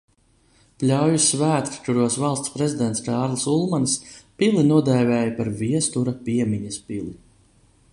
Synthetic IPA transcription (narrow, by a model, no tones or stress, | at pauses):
plʲawjusvæːt̪ɾt̪uɾuɔsvalˠst̪spɾezid̪ɛnt̪skaːɾlˠsulˠmanspʲilinuɔd̪ɛːvʲɛːjapaɾviɛst̪uɾapʲiɛmʲiɲɐspilˠi